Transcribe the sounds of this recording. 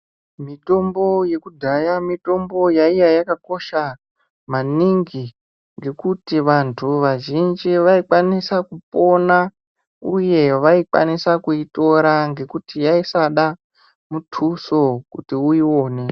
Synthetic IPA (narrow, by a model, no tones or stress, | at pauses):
mito̞mbo̞je̞kudʱajamito̞mbo̞jaijajakako̞ʃa | maniŋɡi | ŋɡe̞kutiʋantʰuʋaʒind͡ʒiʋaikwanisakupo̞na | uje̞ʋaikwa̰nisakuito̞ɾaŋɡe̞kutijaisaɗa | mutʰuso̞kutiuiwo̞ːne̞